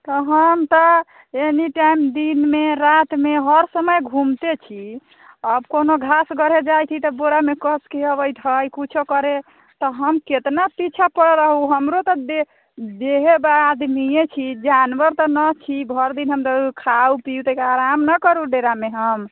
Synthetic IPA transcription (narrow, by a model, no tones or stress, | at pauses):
t̪ɔɦəmt̪ɔ | eniʈaimd̪inmeɾat̪meɦəɾsəməjɡʱumt̪et͡ʃʰi | əbkonoɡʱasɡəɾ̤ed͡ʒajt̪ʰit̪ɔboɾamekəskeəβəjt̪ʰɦəjkut͡ʃʰokəɾe | t̪ɔɦəmket̪napit͡ʃʰapəɽɾəɦuɦəmɾot̪ɔde | d͡ʒeɦebaːd̪mijet͡ʃʰid͡ʒanʋəɾt̪ɔnət͡ʃʰibʱɔɾd̪inɦəmt̪əkʰaupiut̪əikaɾamnəkəɾuɖeɾameɦəm